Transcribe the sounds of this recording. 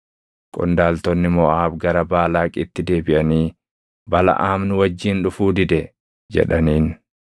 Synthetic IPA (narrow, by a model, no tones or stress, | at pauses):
kʼʊ̰nd̪aːlt̪ɔnːɪmɔʔaːbɡɐɾɐbaːlaːkʼɪt̪ːɪd̪e̞ːbɪʔɐniː | bɐlɐ̰ʔaːmnʊwɐd͡ʒːiːnᶑʊfuːd̪ɪd̪ɛ | d͡ʒɛ̰ᶑɐniːn